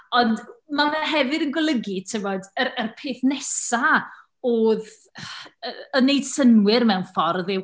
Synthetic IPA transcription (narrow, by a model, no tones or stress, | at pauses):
ɔndmaɦɛvɨdənɡwɪlˠəɡitʰɪvɔdəɾərpʰeːθnɛsa | oːð | əənejd̥sənwɪrmɛwnfɔrðɪw